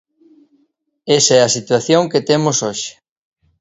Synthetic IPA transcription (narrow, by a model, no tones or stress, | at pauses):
esɐɛɐsit̪waθjoŋket̪emosoʃɪ̥